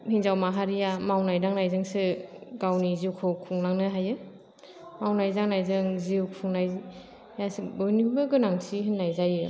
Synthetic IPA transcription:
hinzawmaɦaɾijamawnajdaŋnajzɯŋsɯɡawniziwkʰɔwkʰuŋnaŋnɯɦajɯ | mawnajzaŋnajzɯŋziwkpʰuŋnaji | jasibɯnibɯɡɯnaŋsiɦinːajzajɯ

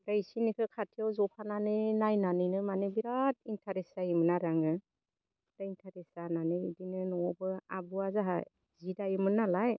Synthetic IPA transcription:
ɾajsinikʰɯkʰatʰijawzɔpʰananɯnajnanɯjnɯmanɯbiɾat̚intʰaɾesajimɯnaɾaŋɯ | daintʰaɾesananɯidinɯnɔɔbɯa̰bɯazaɦa | zidajimɯnalaj

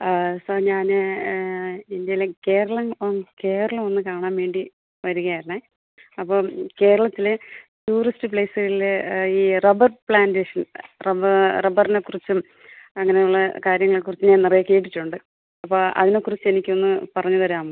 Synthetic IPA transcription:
sɐɲaːn | ind̪jɐjileke̞ːɾɐɭɐmonke̞ːɾɐɭɐmo̞nːɨkaːɳaːnʋe̞ːɳɖi | ʋɐɾuɣɐjaːɾla | ɐpːo̞ːke̞ːɾɐɭɐt̪ːilɨtuːristɨpɭeːsɨɣɐɭiliːrɐbɐrpɭaːndeːʂɐnrɐbɐrɐbɐrine̞kːurit͡ɕːum | ɐŋːɐne̞juɭːɐkaːɾjɐŋːɐɭkurit͡ɕːɨɲaːnnirɐijɐke̞ːʈ̬ːiʈːuɳɖɨ | ɐpːo̞ːɐ̰ðine̞kːurit͡ɕːe̞nikʲːo̞nːɨpɐrɐɲːuðɐɾaːm

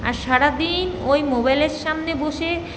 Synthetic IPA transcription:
a̰ɾʃaɾad̪inojmobajleɾʃamneboʃe

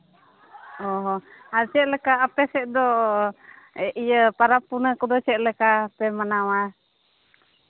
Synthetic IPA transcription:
ɔɦɔat͡ʃɛt̪̚lɛkaːpɛsɛʔ̚d̪ɔ | ɛʔijəpaɾapunakɔd̪ɔt͡ʃɛʔ̪̚lɛkaːpɛmanawa

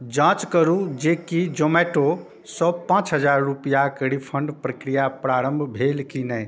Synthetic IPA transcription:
d͡ʒãt͡ʃkəɾud͡ʒekid͡ʒomɛʈo | sɔpãt͡ʃɦəd͡ʒaɾːupjakəɽipʰəɳɖpɾəkɾijapɾaɾəmbʱbʱelkinɛ

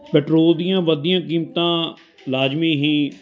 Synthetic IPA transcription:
pɛʈɾoːld̪ijãːʋəd̪ijãːkiːmt̪ãː | laːd͡ʒmiːɦĩː

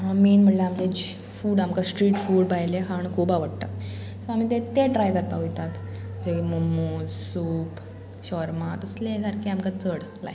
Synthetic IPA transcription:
amiːnm̤əɽlaamt̪ed͡ʑi | fuːɽamkasʈɾiːʈfuːɽbajleɦaɳkʰuːpaʋəɽt̪a̰k | soam̤iːt̪et̪eɖɾajkəɾpaɦujt̪at̪d͡zemomussuːp | ɕɔɾmat̪əslesaɾkʰeamkat͡səɽla̰j

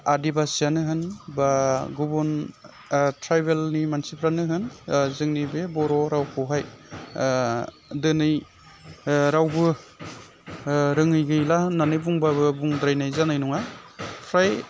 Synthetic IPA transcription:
adibasijanɯɦɯnbaɡubun | tʰɾajbelnimansipʰɾanɯɦɯnzɯŋnibebɔɾɔɾawkʰɔɦaj | dɯnɯj | ɾawbɯ | ɾɯŋɯjɡɯjlahɯnːanɯjbuŋbabɯbuŋdɾajnajzanajnuŋapʰɾaj

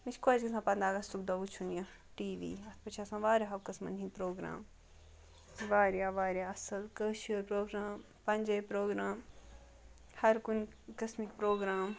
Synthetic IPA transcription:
mit͡ʃʰkoːd͡ʒkɐsãpɐnd̪aːɡɐst̪uk̚d̪ɐʋut͡ʃʰunjɐ | ʈiːʋḭːɐt̪̚ʰpɐt͡ʃʰaːsãʋaːɾʲaɦɐʋkɐsmɐ̰nɦĩpɾoːɡɾa̰ːm | iʋaːɾjaːʋaːɾjaːɐsɐlkəːʃɐɾpɾoːɡɾaːm | pɐnʲd͡ʒɐjpɾoːɡɾaːm | hɐɾkun | kɐsmikpɾoːɡɾaːm

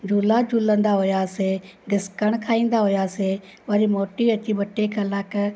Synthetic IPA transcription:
d͡ʑʱuːlad͡ʑʱuːlə̃nd̪aɦʊjaseɡɪskəɽ̃kʰaːĩːnd̪aɦʊjase | ʋɐɾimoːʈiɐt͡ɕibɐʈekʰalak

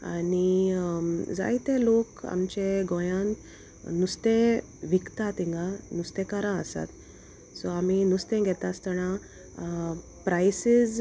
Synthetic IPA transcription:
a̰ni | d͡za̰jt̪ẽloka̰mt͡ɕeɡɔjãnt̪ | nust̪ẽ | ʋikt̪at̪ĩŋɡanust̪ẽkaɾãəsa̰t̪ | sɔam̤inust̪ẽɡʱɛt̪ast̪əɽ̃ã | pɾajsid͡z

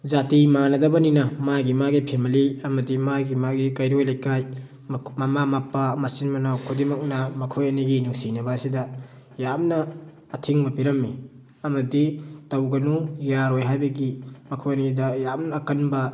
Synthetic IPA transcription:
zatimanɐdɐbɐninɐmaɡimaɡipʰemɐliɐmɐdimaɡimaɡikɐjɾojlajkaj | mamamapamasinmɐnawkʰudimɐk̚nɐmɐkʰojɐniɡinusinɐbɐsidɐ | jamnɐː | tʰiŋmɐpiɾɐmːi | ɐmɐditɐwɡɐnujaɾojɦajbɐɡimɐkʰojɐnidɐjamnɐːkɐnbɐ

